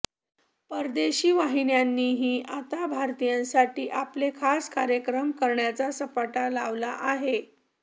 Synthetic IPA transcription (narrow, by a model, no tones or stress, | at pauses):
pəɾd̪eɕiːʋaɦinjanːiːɦiːʔat̪abʱaɾt̪ijãnsaʈiːʔaplekʰaskaɾjəkɾəmkəɾɳjat͡sasəpaʈalaʋlaʔaɦe